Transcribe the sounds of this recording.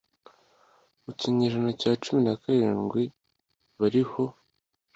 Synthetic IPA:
muciɲiʒanacaːt͡ʃuminakaɾiːnɡwi | βaɾiho̞

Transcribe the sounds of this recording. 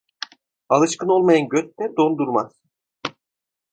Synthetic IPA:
alˠɯʃkɯno̞lˠmajanɟøt̪nɛd̪ond̪uɾmaz̥

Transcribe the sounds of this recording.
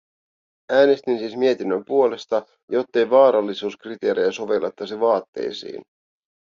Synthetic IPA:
æːne̞st̪insismie̞t̪inːømpuole̞st̪ɑ | jo̞t̪ːe̞jʋɑːɾɑlːisuːskrit̪e̞ːɾejæso̞ʋe̞lːɑt̪ːɑsiʋɑːt̪ːe̞̰jsḭːn

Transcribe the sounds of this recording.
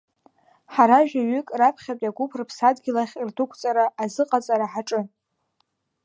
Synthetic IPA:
ħaɾaʒᶣaɥʏkʼrapʰχʲapʼjaɡʷupʰrɨpʰsadɡʲɪlaχʲrdukʷʰt͡sʼaɾaʔːzɨqʼat͡sʼaɾaħaʈ͡ʂʼɨ

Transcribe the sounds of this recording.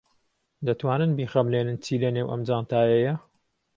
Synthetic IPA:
d̪ɐt̪waːnɨnbiːxɐmleːnɨnt͡ʃʰiːlɐneːwʔɐ̰md͡zaːnt̪ʰaːjɐjɐ

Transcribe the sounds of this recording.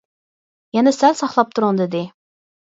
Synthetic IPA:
jɛnɛsælsɑχlˠɑp̚t̪ʰuɾʊnd̪ɨd̪ɪ

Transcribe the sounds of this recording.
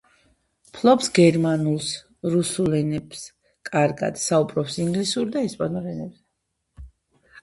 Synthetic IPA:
pʰlˠɔpsɡɛɾmanulˠs | ɾusulɛnɛbs | kʼaɾɡa̰d̪̥saupʼɾɔpsiŋɡlisuɾd̪aɛspʼanaʁɛnɛbz̥ɛ

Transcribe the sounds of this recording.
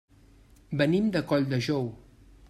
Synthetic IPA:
bənimd̪əkɔʎd̪əʒɔw

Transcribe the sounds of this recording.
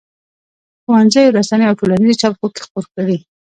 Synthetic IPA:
xowanzajoɾasanejawʈolanizt͡ʃɑpxoke̥xpoɾkaɽi

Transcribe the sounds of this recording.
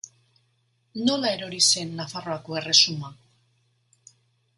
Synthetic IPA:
no̞lae̞ɾo̞ɾise̞nːafaro̞ako̞e̞re̞suma

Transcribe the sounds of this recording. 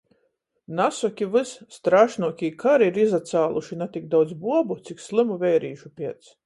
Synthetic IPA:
nasɔkʲivɨsst̪ɾaːʃnuɔkʲiːkʰaɾiɾizat̪saːlˠʔṵʃinat̪ik̚d̪awd̪zbuɔbut̪sikslˠɨmuvɛjɾiːʃupʲiɛt̪s

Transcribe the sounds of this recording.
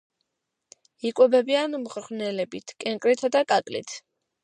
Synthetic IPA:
ikʼwɛbɛbianmʁʁnɛlɛbit̪ʰkʼɛŋkʼɾit̪ʰad̪akʼakʼlḭt̪ʰ

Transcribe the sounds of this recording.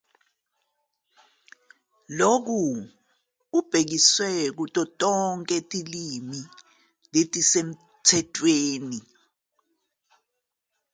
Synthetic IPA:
lok̬u | kub̥ʱek̬iswɛk̬utʼɔtʼɔŋkʼetʼilimi | letʼisem̩ | tʰɛtʼweːni

